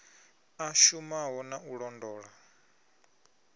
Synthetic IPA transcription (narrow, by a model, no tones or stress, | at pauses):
aʃumaɦɔnaʔuɺɔndɔːɺa